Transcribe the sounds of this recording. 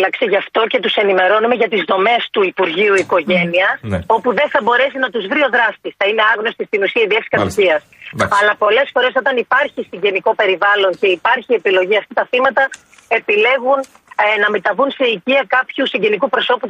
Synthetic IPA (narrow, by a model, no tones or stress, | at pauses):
lɐkseʝɐft̪o̞ce̞t̪use̞nime̞ɾo̞nume̞ʝɐt̪izðo̞me̞st̪uipuɾʝiuiko̞ʝe̞niɐo̞puðe̞nθɐbo̞ɾe̞sinɐt̪uzvɾio̞ðɾɐst̪isθɐine̞ɐɣno̞st̪ist̪inusiɐiðikfsi̥kɐt̪iciɐsɐlɐpo̞le̞sfo̞ɾe̞so̞t̪ɐnipɐɾçisiɲɟe̞niko̞pe̞ɾivɐlo̞ɲce̞ipɐɾçie̞pilo̞ʝiɐft̪it̪ɐθimɐt̪ɐ | e̞pile̞ɣun | nɐme̞t̪ɐvunseiciɐkɐpçusiɲɟe̞nikupɾo̞so̞pu